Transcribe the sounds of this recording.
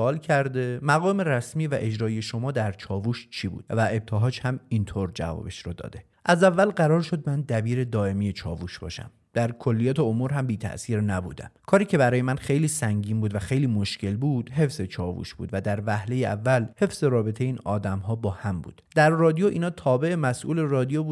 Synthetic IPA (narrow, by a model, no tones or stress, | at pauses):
ɒːlcʰæɾd̪e̞mæɣɒːmeɾæsmiːvæʔe̞d͡ʒɾɒːijeʃo̞mɒːd̪æɾt͡ʃʰɒːvuːʃt͡ʃʰibṵːd̪̥væe̞b̚t̪ʰeɦɒːd͡ʒhæmint̪ʰoɾd͡ʒæ̰vɒ̰be̞ʃɾod̪ɒ̰ːd̪e̞ | ʔæzævːælɢæɾɒːɾʃo̞d̪̚mænd̪æbiːɾe̞d̪ɒːe̞miːjet͡ʃʰɒ̰ːvuʃbɒ̰ːʃæ̰m | d̪̥æɾkʰo̞lːijɒːt̪ʰeomuːɾɦæmbiːt̪ʰæ̰ʔsiːɾnæbṵːd̪æ̰mkʰɒːɾiːcʰe̞bæɾɒːjemænχejliːsæŋɟiːnbuːd̪væxe̞jliːmo̞ʃcʰe̞lbuːd̪̥ɦe̞fze̞t͡ʃʰɒːvṵːʃb̥ṵːd̪væd̪æɾvæhle̞jeʔævːælhe̞fz̥e̞ɾɒːbe̞t̪ʰejeiːnɒːd̪æmɦɒːbɒːhæmbṵːd̪̥d̪æɾrɒːd̪ijoʔḭːnɒːt̪ʰɒːbe̞e̞mæsʔuːle̞rɒːd̪ijobu